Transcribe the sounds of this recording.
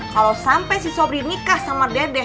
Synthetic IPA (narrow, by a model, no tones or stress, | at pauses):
kalawsampajsisɔbɾinikahsamadadɛ